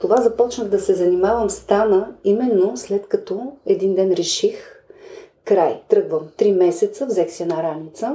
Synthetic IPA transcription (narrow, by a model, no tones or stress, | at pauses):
t̪ovazɐpɔt͡ʃnəɣd̪ɐsɛzɐnimavəmst̪anəimɛnːoslɛt̪kɐt̪ɔɛd̪ind̪ɛnɾɛʃix | kɾajt̪ɾɤɡvəmt̪ɾimɛsɛt̪səvzɛksiɛnaɾanit̪sə